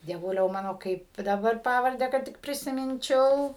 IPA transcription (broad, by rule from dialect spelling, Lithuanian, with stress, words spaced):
dʲiɛˈʋʊlʲɛʊ ˈmɑːnoː ˈkɐɪp dɐˈbɐr ˈpɑːʋɐrʲdʲæː kɐt ˈtʲɪk pʲrʲɪsʲɪˈmʲɪnʲt͡ʃʲɛʊ